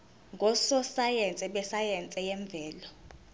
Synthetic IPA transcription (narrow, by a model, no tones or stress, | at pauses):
ŋɡʱɔsɔsajɛnt͡sʼɛɓɛsajɛnt͡sʼɛjɛɱb̪vʱɛːlɔ